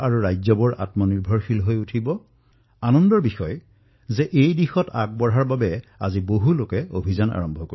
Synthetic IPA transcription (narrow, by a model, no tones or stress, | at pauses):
aɹuɹajzɔbɔɹʔa̰tmɔniɹbʱɔɹxilɦojutʰibɔ | anɔndɔɹbixɔj | zɛʔejdixɔta̰k̚bɔɹaɹbabɛa̰ziboɦulokɛobʱizana̰ɹɔmbʱɔko